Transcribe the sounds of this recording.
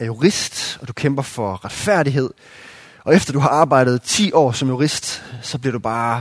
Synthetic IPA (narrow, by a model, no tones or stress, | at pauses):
æɐjuʁisd̥ɒ̽d̥ukʰemb̥ɐfɒ̽ʁɑ̈d̥fæɐ̰ɾiɦe̝ð̞̰ˠ | ɒ̽efd̥ɐd̥uɦɑ̈ɑ̈ːb̥ɑ̈ɪ̰d̥ð̞̩ˠt͡sʰḭːɒ̰ːsɒ̽mjuʁisd̥sɒ̽b̥liɐɾ̥ub̥ɑ̈ː